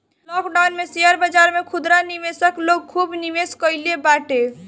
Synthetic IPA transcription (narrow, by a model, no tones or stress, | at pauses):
lɔkɖawnmeseəɾbəd͡ʒaɾmekʰud̪ɾaniʋesəkloɡ̚kʰubniʋeskəɪlebaʈe